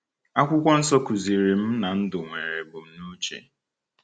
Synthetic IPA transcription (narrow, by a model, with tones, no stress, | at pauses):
a˦kʷʊ˦kʷɔ˦n̩˦sɔ˦ku˨zi˨ɾi˨m̩˦na˨n̩˦dʊ˨ŋʷe˨ɾe˨bʊ˨m̩˦nu˦t͡ʃḛ˨